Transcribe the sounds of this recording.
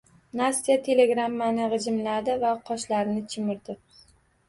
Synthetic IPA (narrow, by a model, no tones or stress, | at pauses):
nast̪ijat̪ʰe̞le̞ɡɾamːanɪʁɨd͡ʒɪmlad̪ɪvaqʰɒʃlaɾɪnɪt͡ʃʰɪmɪɾd̪ɪ